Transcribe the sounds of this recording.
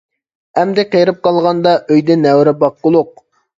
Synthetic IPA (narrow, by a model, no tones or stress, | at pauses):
ɛmd̪ɪqejɾɨp̚qʰɑlˠʁɑnd̪ɑʔøjd̪ɛnɛwɾɪbɑq̚ːʊlˠʊq̚